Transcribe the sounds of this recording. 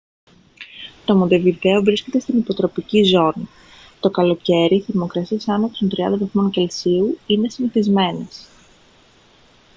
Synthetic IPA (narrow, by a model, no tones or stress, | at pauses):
t̪o̞mo̞nd̪e̞vive̞o̞vɾisce̞t̪e̞st̪inipo̞t̪ɾo̞picizo̞ni | t̪o̞kɐlo̞ce̞ɾiːθeɾmo̞kɾɐsiɐsɐnopst̪ont̪ɾiɐ̰nd̪ɐvɐθmo̞nce̞lsiuine̞siniθizme̞ne̞s